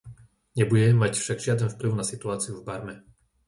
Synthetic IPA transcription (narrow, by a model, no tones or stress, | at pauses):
ɲɛbuɟɛmːacfʃaɡʒɪad̪ɛnfpliʊnasit̪uaːt͡siuvbaɾmɛ